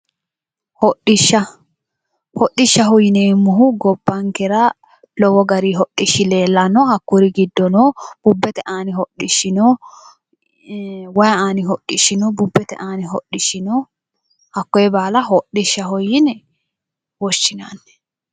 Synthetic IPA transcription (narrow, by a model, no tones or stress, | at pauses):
hɔʔɪʃːɐ | hɔɗːɪʃːɐɦɔjɪnɛmːʊɦʊɡɔbːɐŋkɛɾɐ | lɔwɔɡɐɾiɦɔɗːɪʃːɪle̞ːlːɐnːɔhɐkːʊɾɪɡɪd̪ːɔnɔːb̥ʊbːɛt̪ɛʔaːnɪhɔɗːɪʃːɪnɔ | wɐjaːnɪɦɔɗːɪʃːɪnɔbʊbːɛt̪ɛ̰ʔaːnɪɦɔɗɪʃːɪnɔ | hɐkːɔɛbaːlɐɦɔɗɪʃːɐɦɔjɪnɛ | wɔʃːɪna̰nːɛ̥